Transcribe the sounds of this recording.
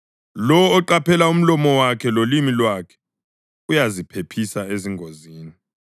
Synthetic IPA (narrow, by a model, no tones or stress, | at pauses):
lɔwːǃapʰɛlaum̩lɔmɔwakʰɛlolimilwakʰɛ̥ | ujazipʰepʰisaeziŋʱoziːni